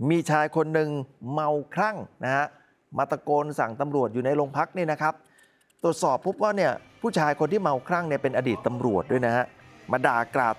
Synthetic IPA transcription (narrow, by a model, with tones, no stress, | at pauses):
miː˧t͡ɕʰaː˧jkʰo˧nːɯ˨˧ŋma˧wkʰɾa˥˩ŋna˦˥ha˦˥ʔ | ma˧˩t̪ːɾa˧koː˧nsa˩˦ŋt̪a˧mɾu˨˩ət̪̚juː˨˩na˧jlo˧ŋpʰa˦˥k̚ni˥˩na˦˥kʰa˦˥p̚ | t̪ɾu˨˩ət̪̚sɔː˨˩pʰːo˦˥p̚waː˥˩ni˥˩ɐpʰuː˥˩t͡ɕʰaː˧jkʰo˧nt̪ʰiː˥˩ma˧wkʰɾa˥˩ŋni˥˩pe˧nʔaː˧diː˨˩t̪ːa˧mɾu˨˩ət̪̚du˥˩jna˦˥ha˦˥ʔmaː˧daː˨˩kɾa̰ː˨˩t̪̚